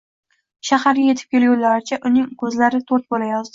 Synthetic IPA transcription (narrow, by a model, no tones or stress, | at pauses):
ʃahaɾje̞t̪ʰɪ̥p̚kʲe̞ljulːaɾɪt͡ʃʰaʔʊnɪŋkʰɵzlaɾɪt̪ʰoɾt̪̚bolajɒzd̪ɪ